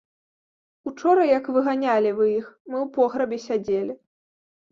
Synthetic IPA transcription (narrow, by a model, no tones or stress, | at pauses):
ut͡ʂɔɾɐjɐkvɨɣanʲalʲivɨjixmɨwpɔɣɾɐbʲɛsʲad͡zʲelʲi